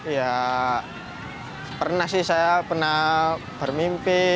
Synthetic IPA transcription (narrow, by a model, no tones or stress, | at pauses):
ja | pərnahsɪhsajapərnah | b̥ərmimpɪ